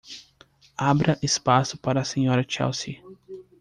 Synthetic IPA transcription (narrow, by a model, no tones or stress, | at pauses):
abɾɐʔɪspasʊpaɾɐːsẽɲɔɾɐt͡ʃɛ̰wsi